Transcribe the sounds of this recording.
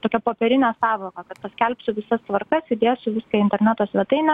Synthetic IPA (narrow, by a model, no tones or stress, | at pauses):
t̪oːkʲɛpoːpʲɛɾʲɪnʲɛːsɑːʋoːkɐkɐt̪pɐsʲkʲɛlʲpsʲʊʋʲɪsɐst̪ʋɐrkɐsɪd̪ʲeːjɛsʊʋʲɪskʲɐɪnʲt̪ʲɛɾʲnʲæːt̪oːsʲʋʲɛt̪ɐɪnʲɛ